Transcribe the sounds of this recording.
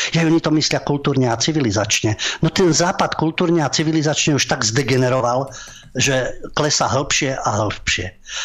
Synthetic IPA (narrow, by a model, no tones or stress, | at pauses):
jajɔɲit̪ɔmislɪakult̪uːɾɲɛat͡siʋilizat͡ʃɲɛnɔt̪ɛnzaːpat̪kult̪uːɾɲɛat͡siʋilizat͡ʃɲɛuʃt̪aɡzd̪ɛɡɛnɛɾɔʋal | ʒɛklɛsaɦl̩pʃɪɛʔaɦl̩pʃɪɛ